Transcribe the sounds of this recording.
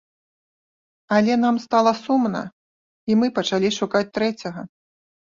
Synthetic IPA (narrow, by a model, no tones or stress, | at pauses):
ɐlʲɛn̪amst̪alˠɐsumnɐ̰ | imɨpɐt͡ʂalʲiʂukat͡sʲt̪ɾɛt͡sʲɐɣɐ